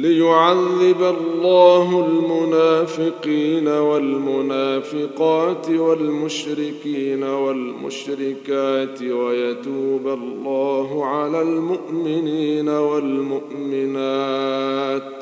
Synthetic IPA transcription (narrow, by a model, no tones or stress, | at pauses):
lɪjʊʕaðːɪbalːɑːɦʊlmʊnaːfɪqiːnawalmʊnaːfɪqɑːt̪ɪwalmʊʃɾɪkiːnawalmʊ̰ʃɾɪkaːt̪ɪwajat̪uːbalːɑːɦʊʕalaːlmʊʔmɪniːnawalmʊʔmɪnaː | t̪